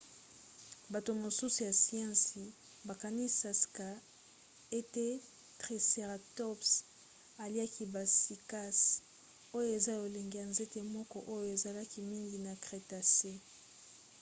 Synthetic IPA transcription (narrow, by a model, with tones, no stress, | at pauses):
ba˨to˨mo˨su˦su˨ja˨si˨ã˦si˨ | ba˨ka˨ni˦sa˨ska˨ | e˦te˦ | tʁi˨se˨ʁa˨tɔ˦ps | a˨li˦a˦ki˦ba˨si˨ka˦s | o˦jo˦e˨za˦jo˨le˨ŋɡe˨ja˨nze˦te˦mɔ˦kɔ˦ʔo˦jo˨e˨za˨la˦ki˦mi˦ŋɡi˨na˨kʁe˨ta˨se˦